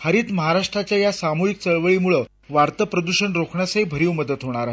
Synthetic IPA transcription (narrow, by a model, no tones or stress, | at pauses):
həɾiːt̪məɦaɾaʂʈɾat͡ɕjajasamoɦik̚t͡səɭʋəɭimuɭə | ʋaɾt̪əpɾəd̪uɕəɳɾokʰɳjasaibʱəɾiːwməd̪ət̪ɦoɽ̃aɾaɦ